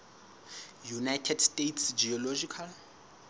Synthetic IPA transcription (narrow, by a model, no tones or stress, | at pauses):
junajtʰɛdstʼetʰsd͡ʒiɔlod͡ʒikʰal